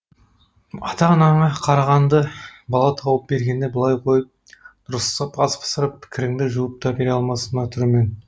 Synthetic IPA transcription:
ɑt̪ɑnɑɴɑqʰɑɾɑʁɑnd̪əbɑlˠɑt̪ʰɑwəp̚be̞ɾɡʲe̞nd̪e̞bəlˠɑjqʰo̞jəp̚d̪̥ʊɾəst̪ɑpɑzpʰə̥səɾəp̚pʰɪ̥kʲʰɪɾɪŋd̪ɪʒuwəp̚t̪ʰɑbeɾeɑlˠmɑsənɑt̪ʰʏɾme̞n

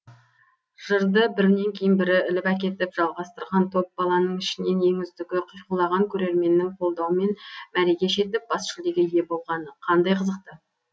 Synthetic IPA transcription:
ʒ̥əɾd̪əbɪɾnːe̞ŋkʲʰe̞jɪnbɪɾɪɪlɪpæk̬ʲe̞t̪ɪpʒ̥ɑlˠʁɑst̪əɾʁɑnt̪ʰo̞p̚bɑlˠɑnəɴɪʃɪne̞ne̞ŋʲɪzd̪ɪɡʲɪqʰəjqulˠɑʁɑŋkʲʰɵɾe̞ɾme̞nːɪŋqʰo̞lˠd̪ɑwəme̞nmæɾeɡʲe̞ʃe̞t̪ɪp̚b̥ɑsʃɪld̪e̞ɡʲɪɪje̞bo̞lˠʁɑnəqʰɑnd̪ɑjqʰəzəq̚t̪ə

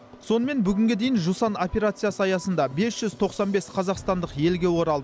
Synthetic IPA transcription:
so̞nəme̞nbʏɡʲɪŋɡʲe̞d̪e̞jɪnʒusɑno̞pʲe̞ɾat̪sɨjasəɑjɑsənd̪ɑbe̞sʒ̥ʏz̥t̪ʰo̞qsɑnbe̞sqʰɑzɑqst̪ɑnd̪əqje̞lɡʲe̞wo̞ɾɑlˠd̪ə

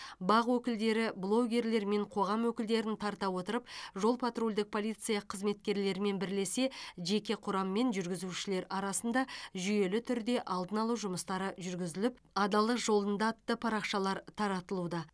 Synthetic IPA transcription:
bɑʁwɵkʲɪld̪e̞ɾɪblˠo̞ɡʲe̞ɾle̞ɾme̞ɴqʰo̞ʁɑmwɵkʲɪld̪e̞ɾɪnt̪ʰɑɾt̪ɑwo̞t̪əɾəp̚ʒo̞lˠpʰat̪ro̞lʲd̪ɪk̚pʰo̞lˠijt̪sɨjɑqʰəzme̞t̪̚kʲe̞ɾle̞ɾme̞nbɪɾle̞se̞ʒe̞kʲe̞qʰʊɾɑmːe̞nʒʏɾɡʲɪzuʃɪle̞ɾɑɾɑsənd̪ɑʒʏje̞lɪt̪ʰʏɾd̪e̞ʔɑlˠd̪ənɑlˠuʒʊməst̪ɑɾəʒʏɾɡʲɪzɪlɪp | ɑd̪ɑlˠəqʒo̞lˠənd̪ɑt̪ːəpʰɑɾɑqʃɑlˠɑɾt̪ʰɑɾɑt̪əlˠud̪ɑ

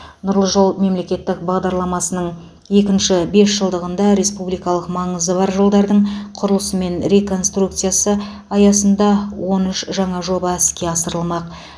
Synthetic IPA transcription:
nʊɾlˠəʒo̞lˠme̞mle̞kʲe̞t̪ːɪk̚bɑʁd̪ɑɾlˠɑmɑsənəɴ | je̞kʲɪnʃɪbe̞sʒəlˠd̪əʁənd̪ɑɾe̞spublijkɑlˠəqmɑɴəzəbɑɾʒəlˠd̪ɑɾd̪əɴqʰʊɾəlˠəsəme̞nɾe̞ko̞nst̪ruk̚t̪sɨjasə | ɑjɑsənd̪ɑwʔo̞nʏʃʒɑɴɑʒo̞bɑskʲe̞ɑsəɾəlˠmɑq̚

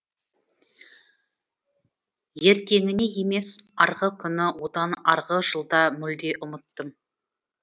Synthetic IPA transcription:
je̞ɾk̪ʲe̞ŋɪne̞je̞me̞sɑɾʁəkʲʰʏnɪwo̞d̪ɑnɑ̰ɾʁəʒəlˠd̪ɑmʏld̪e̞ʔʊmət̪ːəm

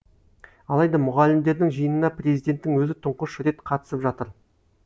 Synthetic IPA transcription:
ɑlˠɑjd̪ɑmʊʁɑlɪmd̪e̞ɾd̪ɪŋʒijənənɑprʲe̞zijd̪e̞nt̪ːɪŋwɵzɪt̪ʰʊɴqəʃɾe̞t̪qʰɑt̪ə̥səpʒɑt̪əɾ

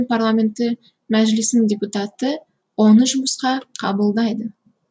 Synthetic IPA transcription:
nparlˠamʲe̞nt̪ːɪ | mæʒlɪsɪndʲe̞put̪at̪ə | wo̞nəʒʊməsqɑqʰɑ̰bəlˠd̪ɑjd̪ə

